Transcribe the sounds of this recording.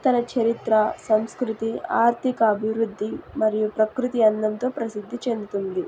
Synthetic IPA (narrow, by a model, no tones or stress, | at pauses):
t̪ɐnɐt͡ʃʰɐɾit̪ɾɐsɐmskɾut̪ia̰ːɾt̪ʰikɐːbʱiʋɾud̪ʱːimɐɾijupɾɐkɾut̪iɐnd̪ɐnt̪o̞ːpɾɐsid̪ʱːit͡ʃe̞nd̪ut̪und̪i